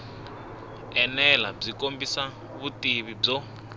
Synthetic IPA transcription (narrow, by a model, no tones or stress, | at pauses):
ɛnɛlab͡ʐikombisa | βutiβib͡ʐɔ